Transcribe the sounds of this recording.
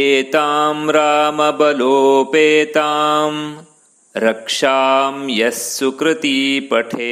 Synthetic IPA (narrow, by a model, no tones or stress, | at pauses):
eːt̪aːmɾaːmɐbɐloːpeːt̪aːm | ɾɐkʂaːmjɐsːukɾɨt̪ipɐʈʰeː